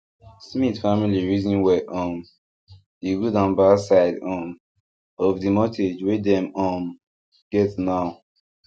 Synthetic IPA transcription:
smitfamiliɹizɔ̃nwɛʔɔ̃m | diɡudãʊ̃nbasaɪdɔ̃m | ɔvdimɔtʰed͡ʒwedɛ̃mɔ̃m | ɡ̥ɛtnaʊ

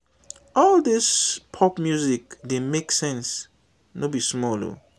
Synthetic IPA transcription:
ɔldispʰɔpmjuzik̚demeksɛ̃ns | nobismɔlo̰

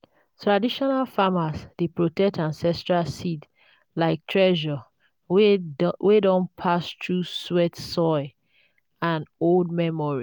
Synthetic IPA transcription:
tʰɹadiʃɔnalfamasd̥epɹotɛk̚tãnsɛstɹasit | laɪk̚tʰɹɛʒɔ | wedɔ̃npʰastɹuswɛtsɔɪ | ãnold̚mɛmɔɹi

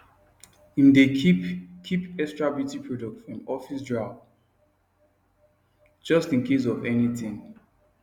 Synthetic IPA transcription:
ĩnde | kʰipɛstɹabiutipʰɹɔdɔk̚tfɹɔ̃mɔfisdɹaʊ | d͡ʒʌstĩnkʰes̬ɔvɛnitĩŋ

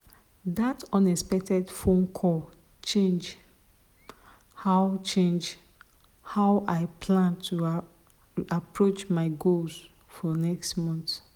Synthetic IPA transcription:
datɔ̃nɛspɛk̚tɛdfõnkʰɔ | t͡ʃẽnd͡ʒ | haʊt͡ʃẽnd͡ʒ | haʊʔaɪpʰlãntʰu | apʰɹot͡ʃmaɪɡols | fɔnɛkstmɔ̃nt

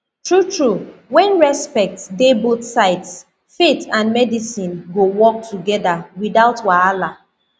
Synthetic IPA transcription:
tɹutɹuwɛ̃nɹɛspɛk̚tdebotsaɪts | fetãnmɛdisĩnɡowɔk̚tʰuɡɛdawidaʊtwaala

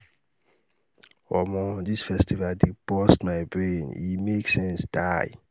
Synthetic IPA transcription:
ɔmɔdisfɛstivaldibɔstmaɪbɹẽnimeksɛ̃nsd̥aɪ

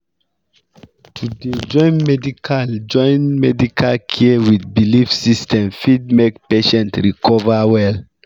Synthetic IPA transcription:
tʰuded͡ʒɔ̃ɪ̃nmɛdikʰald͡ʒɔ̃ɪjnmɛdikʰalkʰiwidbilifsistʰɛ̃mfid̚mekpeʃɛ̃ntɹikʰɔvawɛl

